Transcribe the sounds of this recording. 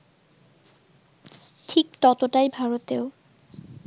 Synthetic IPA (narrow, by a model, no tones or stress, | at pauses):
ʈʰik̚t̪ɔt̪oʈajbʱaɹot̪eo